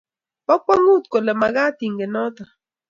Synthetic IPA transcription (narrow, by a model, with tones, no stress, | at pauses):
pɔ˦k͡pɔ˦ŋu˦˨tko˨le˨ma˨ɣa˦ti˨ŋ˨ɡe˨nɔ˦tɔ˨